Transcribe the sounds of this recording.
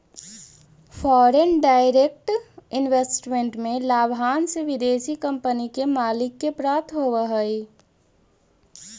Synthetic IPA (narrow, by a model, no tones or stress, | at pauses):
fʰɔːɾenɖaːɪɾek̚ʈɪnʋesʈmẽɳʈmẽlaːbʱaːnseʋɪd̪eːʃikə̃mpənikemaːlɪkːepɾaːt̪ʰɦoʋəɦəi